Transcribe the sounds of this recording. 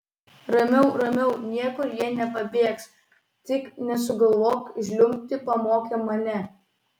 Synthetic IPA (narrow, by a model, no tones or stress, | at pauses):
ɾɐmʲɛʊɾɐmʲɛʊnʲiɛkʊɾjiɛnʲɛpɐbʲeːks | t̪ʲɪknʲɛsʊɡɐlˠʋoːkʒʲlʲʊmʲp̚ʲt̪ʲɪpɐmoːkʲɛmɐnʲɛ